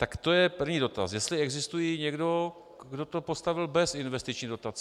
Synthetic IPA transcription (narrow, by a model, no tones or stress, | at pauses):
t̪akt̪o̞jɛpr̩vɲiːdo̞t̪asjɛst̪lɪɛɡzɪst̪ujiɲɛɡdo̞ | ɡdo̞t̪o̞po̞st̪avɪlbɛsɪnvɛst̪ɪt͡ʃɲiːdo̞t̪at͡s